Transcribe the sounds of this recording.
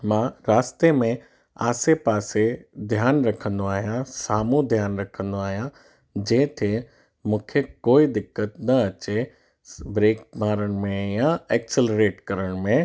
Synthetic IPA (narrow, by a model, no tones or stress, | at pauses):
mãːɾaːst̪emẽ | a̰ːsepaːsed̪ʱjaːnɾɐkʰə̃nd̪oaːɦijãsaːmũd̪ʱjaːnɾɐkʰə̃nd̪oaːɦijã | d͡ʑɐ̃ːt̪ʰe | mũːkʰekoːid̪ɪkːət̪nɐɐt͡ɕe | bɾeːkmaːɾəɽ̃̆mẽjãɛːkselɾeːʈkɐɾəɽ̃mẽ